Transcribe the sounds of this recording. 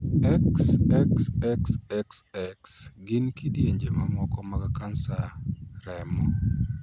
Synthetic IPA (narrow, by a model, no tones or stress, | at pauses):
ɛksɛksɛksɛksɛksɡɪnkidjeɲd͡ʒemaŋwɔkɔmakakansaɾɛmɔ